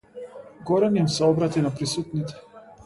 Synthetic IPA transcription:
ɡɔɾɛnimsɛɔbɾat̪inapɾisut̪nit̪ɛ̥

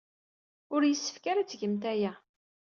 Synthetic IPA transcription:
ʊɾjəsːə̥fkaɾat͡sːʝəmt̪æjæ

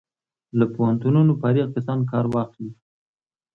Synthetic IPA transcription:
lapohant̪ununopɑɾiɣkasɑnk̬ɑɾwɑχd̪i

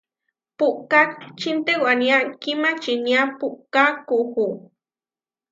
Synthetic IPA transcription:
puʔkat͡ʃint̪ewanjakimat͡ʃinjapuʔkakuxu

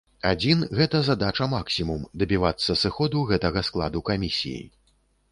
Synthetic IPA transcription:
ad͡zʲinɣɛt̪ɐzad̪at͡ʂɐmaksʲimumd̪ɐbʲivat̪sːɐsɨxɔd̪uɣɛt̪ɐɣɐsklˠa̰d̪ukamʲisʲḭjḭj

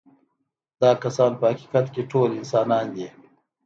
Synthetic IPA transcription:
d̪ɑːkasɑːnpəhaki̥kat̪keʈʰoːlɪnsɑːnɑːnd̪i

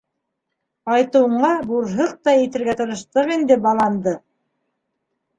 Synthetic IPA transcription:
ɑjt̪ɤ̆wɤ̆ɴɢɑbuɾɦɤq̚t̪ɑjĭt̪ɘ̆ɾɡæt̪ɤ̆ɾɤ̆ʃt̪ɤʁind̪ɘbɑlˠɑnd̪ɤ

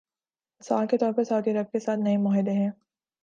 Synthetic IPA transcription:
ɪsa̰ːlket̪ɔːɾpɐɾsɐuːd̪iəɾəb̚kesaːt̪nɐemɔːɦɪd̪eɦɛ̃ː

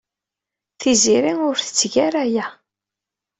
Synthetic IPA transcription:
θiziɾiŋʊɾθə̥t͡sːʝaɾæjæ

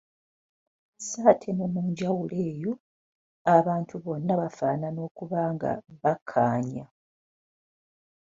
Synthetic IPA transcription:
saːtʰe̞nomuːɲɟawule̞ːjo̞ | aβaːntuβo̞nːaβafaːnano̞ːkuβaːŋɡa̰βakʰːaːɲa

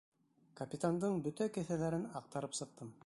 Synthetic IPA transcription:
kɐpʲit̪and̪ɤɴbɵt̪ækɘ̆θælæɾɘnɑq̚t̪ɑɾɤpsɤ̆q̚t̪ɤm

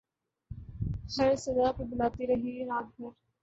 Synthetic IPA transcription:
hɐɾsɐd̪aːpəbʊlaːt̪iɾɐɦiɾaːd̪bəɾ

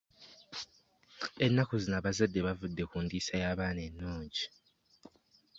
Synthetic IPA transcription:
e̞nːakuzinaβazadːe̞βavudːe̞kuːndiːsajaːβaːnenːuːɲɟi

